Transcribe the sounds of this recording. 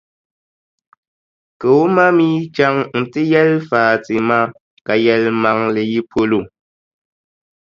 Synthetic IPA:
kə˨wo˦ma˦mi˦t͡ʃa˦ŋn̩˨ti˦jɛ˦lfaː˨ti˨ma˦ | ka˨jɛ˨lma˨ŋle˨ji˦pʰo˦lo˦˨

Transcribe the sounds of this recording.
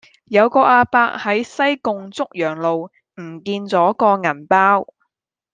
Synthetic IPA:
jɐ˨˧wkɔː˧ʔaː˧paː˧k̚hɐ˨˥jsɐ˥jkʊ˨ŋt͡sʊ˥k̚jœː˨˩ŋlo˨w | m̩˨˩kiː˧nt͡sɔː˨˥kɔː˧ŋɐ˨˩npaː˥w

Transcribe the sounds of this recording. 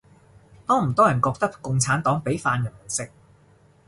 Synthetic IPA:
t̪ɔː˥m̩˨˩t̪ɔː˥jɐ˨˩nkɔː˧k̚t̪ɐ˥k̚kʊ˧ŋt͡sʰaː˨˥nt̪ɔː˨˥ŋpe˨˥jfaː˧njɐ˨˩n˨˩sɪ˨k̚

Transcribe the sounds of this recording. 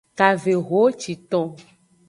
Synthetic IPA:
ka˨ve˨ɣo˦t͡ʃi˨t̪ɔ̃˦

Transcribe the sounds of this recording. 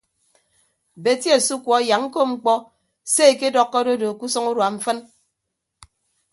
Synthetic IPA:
be˨˦tje˦˨su˦kʷɔ˨˦ja˨ŋŋ̩˦ko˦ŋ͡m̩˦k͡pɔ˦ | se˦˨ke˦dɔ˦kːɔ˦do˦do˨ku˦sɔ˦ŋu˦ɾwa˨ɱ̩˦fɨ˦n

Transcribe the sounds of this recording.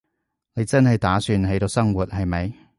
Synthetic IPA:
ne˨˧jt͡sɐ˥nhɐ˨jt̪aː˨˥syː˧nɦe˨˥jt̪o˧wsɐ˥ŋwuː˨˩t̚ɦɐ˨jmɐ˨˧j

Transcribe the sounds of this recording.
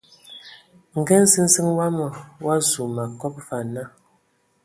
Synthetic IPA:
ŋ̩˨ɡɛ˦n̩˦sɨ˦ŋ̩˦sɨ˦ŋwa˦mɔ˨wa˦zu˨ma˨kɔ˦p̚fa˨na˦

